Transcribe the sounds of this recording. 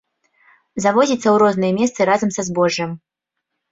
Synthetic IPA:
zavɔzʲit̪sːɐwɾɔznɨjɛmʲɛst̪sɨɾazɐmsɐzbɔʐːɐm

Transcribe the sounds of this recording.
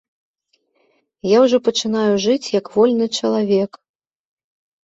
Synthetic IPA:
jawʐɔpɐt͡ʂɨnajuʐɨt͡sʲjɐkvɔlʲnɨt͡ʂɐlˠavʲɛk

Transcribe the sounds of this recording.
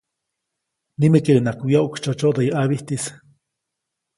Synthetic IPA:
nimekiɾenakujaʔukt͡ʃot͡ʃoʔd̪ajiʔaβiht̪is

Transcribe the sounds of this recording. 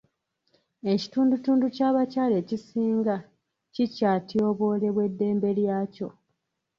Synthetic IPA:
e̞ci̥tuːndutuːnducaːβacaːle̞ːcisiːŋɡa | cicaːtjo̞βo̞ːle̞βwe̞dːe̞ːmbe̞ljaːco̞

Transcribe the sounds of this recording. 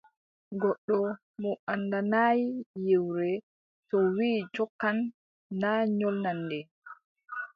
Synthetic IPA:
ɡɔɗːɔ | mɔʔandanajijewɾɛ | tɔwiːd͡ʒɔkːanː | aɲɔlnandɛ

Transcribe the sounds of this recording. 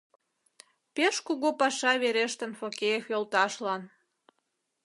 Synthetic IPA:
peʃkuɣopɑʃɑβeɾeʃt̪ə̆nfokʲejefjolt̪ɑʃlɑn

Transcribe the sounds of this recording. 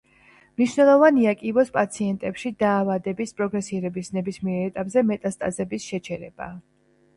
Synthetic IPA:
mniʃnɛlˠɔvaniakʼibɔspʼat̪sʰiɛnt̪ʼɛpʃid̪aːvad̪ɛbispʼɾɔɡɾɛsiɾɛbisnɛbismiɛɾɛt̪ʼapʼzɛmɛt̪ʼast̪ʼazɛbisʃɛt͡ʃʰɛɾɛb̥a̰

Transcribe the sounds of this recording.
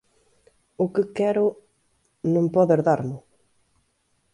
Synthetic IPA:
ʊkɪkɛɾʊ | nõmpɔðeɾðaɾmʊ

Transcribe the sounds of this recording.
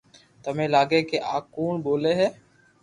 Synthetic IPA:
t̪əmẽːlaːɡeːkeʔaːkuːɳboːleːɦɛː

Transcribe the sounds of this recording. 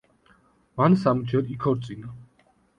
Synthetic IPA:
mansamud͡ʒʰɛɾikʰɔɾt̪sʼina

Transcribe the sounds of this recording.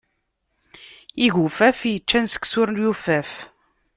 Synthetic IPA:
iʝufæfjət͡ʃːænsə̥ksʊɾnjufæf

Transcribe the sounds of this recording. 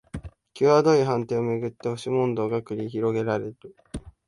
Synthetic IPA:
kʲɨːβad̪o̞iɦãnt̪eːomeɡɯ̟t̪ːe̞oɕimõ̞nd̪o̞ːɡakɯ̟ɾʲiçiɾo̞ɡe̞ɾaɾe̞ɾɯ

